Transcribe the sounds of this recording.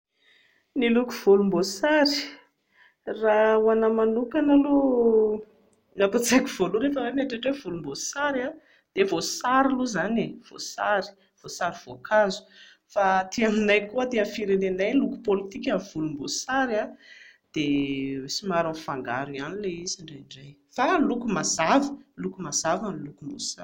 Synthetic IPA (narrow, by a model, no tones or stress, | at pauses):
niluku̥v̥ulumbosaɾi | rawanamanukanalo | napat͡sakʲiv̥oluɾefəwamaʈ͡ʂeʈ͡ʂwevulumbosaɾa | d̪̥evosaɾiluzanev̥o̰saɾi̥ | v̥osaɾiv̥okʰazu̥ | fat̪iaminajkuət̪eamfiɾenenajluku̥polit̪ikʲanv̥ulumbosaɾad̪̥eesimaɾanfaŋɡa̰ɾuianileiziɳɖ͡ʐaɳɖ͡ʐaj | falukumaz̥avəlukumaz̥avanlukumbo̰sa̰ɾ